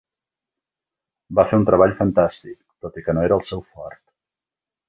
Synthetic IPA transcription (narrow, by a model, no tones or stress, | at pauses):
bafeunt̪ɾəβaʎfənt̪ast̪ik̚t̪ot̪ikənoeɾəːlˠsɛwfɔrt̪